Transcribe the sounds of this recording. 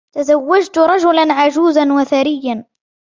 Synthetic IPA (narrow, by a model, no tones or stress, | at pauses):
t̪azawːad͡ʒt̪ʊɾˤɑʒʊlanʕaʒuːzanwaθaɾɪjːan